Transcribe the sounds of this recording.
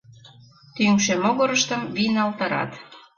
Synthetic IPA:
t̪yŋkʃemoɣoɾəʃt̪ə̆mβinɑlt̪ɑɾɑ̰t̪

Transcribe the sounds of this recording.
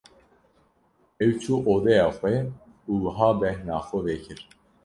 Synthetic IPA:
ɛwt͡ʃʰuːʔoːd̪ɛjɑːxʷɛ | uːwəɦɑːbɛhnɑːxɔveːkʰɨɾ

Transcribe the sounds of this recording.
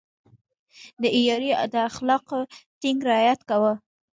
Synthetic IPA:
d̪əijɑɾid̪əaxlɑqt̪iŋɡɾɪɑjat̪kawə

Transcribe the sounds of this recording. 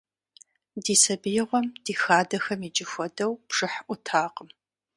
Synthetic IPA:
diːsɐbɨjɪʁʷɔmd̥iːxaːdɐxɐmiːt͡ʃʼɪxʷɔdɐwpʂɨħʔʷʊtʰaːqəm

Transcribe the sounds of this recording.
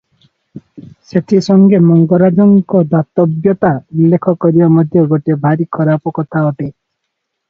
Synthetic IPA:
set̪ʰisɔŋɡemɔŋɡɔɾad͡ʒɔŋkɔd̪at̪ɔbjɔt̪aulːekʰɔkɔɾibamɔd̪ʱjɔɡoʈebʱaɾikʰɔɾapɔkɔt̪ʰaɔʈe

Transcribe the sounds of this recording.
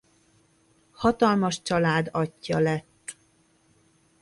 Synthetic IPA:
hɒt̪ɒlmɒʃt͡ʃɒlaːd̪ɒcːɒlɛt̪ː

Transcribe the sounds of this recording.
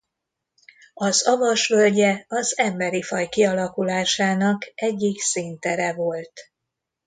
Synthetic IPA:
ɒzɒvɒʃʋølɟɛɒzɛmbɛɾifɒjkiɒlɒkulaːʃaːnɒkɛɟːiksint̪ɛɾɛvo̞lt̪

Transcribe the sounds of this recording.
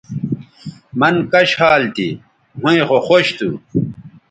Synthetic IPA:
mɐnkɐɕhaːlt̪ḭ | hũẽxoxoɕt̪ʰṵ

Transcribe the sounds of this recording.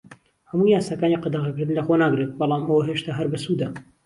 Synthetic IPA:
hɐmuːjaːsaːkaːniqɑd̪əʁɐkɨɾd̪ɨnlɐxonaːɡɾet̪̚bɑlˠaːmɐwɐɦeːʃt̪aɦɐɾbɐsuːd̪ɐ

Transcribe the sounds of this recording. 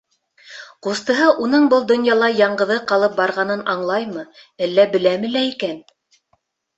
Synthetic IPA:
qust̪ɤ̆ɦɤʔun̪ɤɴbɤlˠd̪ŏnjɑlˠɑjɑɴɢɤ̆ðɤqɑlˠɤp̚bɑɾʁɑnɤnʔɑɴlˠɑjmɤ | ælːæbɘ̆læmɘ̆læikæn

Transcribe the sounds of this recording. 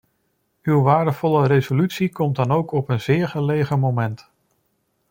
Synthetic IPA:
ywʋaːɹdəv̥ɔləɾejzolytsikɔmdɑnowkɔpənz̥ɪːɹχəlejχəmowmɛnt

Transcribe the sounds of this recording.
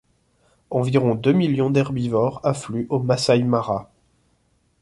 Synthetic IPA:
ɑ̃viʁɔ̃d̪ømiljɔ̃d̪ɛʁbivɔʁaflyʔomasajmaʁa

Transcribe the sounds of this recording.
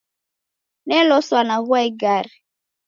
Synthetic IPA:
nɛlɔswanaɣaɡaɾi

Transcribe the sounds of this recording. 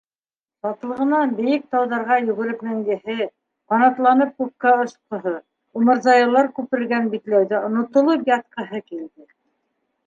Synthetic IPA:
bɑt̪lˠɤ̆ʁɤ̆nɑnbɘ̆jɘk̚t̪ɑwðɑɾʁɑjɵ̆ɡɘ̆ɾɘpmæŋɡɘ̆ɦɘ | qɑnɑt̪lˠɑnɤp̚kup̚kɑŏʃqŏɦɤ | umɤ̆ɾzɑjɑlˠɑɾkʉpɘɘ̆ɾɡænbit̪læwðæŏnŏt̪ŏlˠɤpjɑt̪̚qɤ̆ɦɤkild̪ɘ

